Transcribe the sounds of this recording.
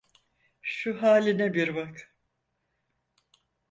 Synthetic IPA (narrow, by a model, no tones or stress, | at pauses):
ʃuɦaːlʲinɛbiɾbak